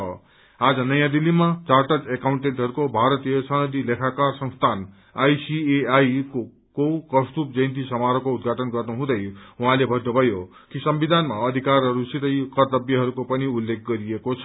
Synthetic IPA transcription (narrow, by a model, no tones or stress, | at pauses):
ʌ̰ | ad͡zʌnʌjãd̪ilːimat͡sarʈʌdekawuɳʈeɳʈɦʌɾukobʱaɾʌt̪ijʌsʌnʌd̪ilekʰakarsʌŋst̪ʰan | ajsieajko | kowkʌst̪up̚d͡zʌjnt̪̬isʌmaɾʌkoud̪̚ɡʱaʈʌnɡʌrnuɦũd̪ʌjɦuɦãlebʱʌd̪obʱʌjo | kisʌmbid̪ʱanmaʌd̪ʱikarɦʌɾusit̪ʌjkʌrt̪ʌbjʌɦʌɾukopʌniulːek̚ʰɡʌɾiekot͡sʰʌ̥